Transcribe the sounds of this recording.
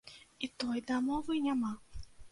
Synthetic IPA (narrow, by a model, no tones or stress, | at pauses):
it̪ɔjd̪amɔvɨnʲama